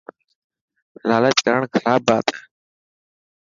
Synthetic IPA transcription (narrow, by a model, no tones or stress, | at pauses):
laːlət͡ʃkəɾəɳkʰəɾaːbaːt̪aː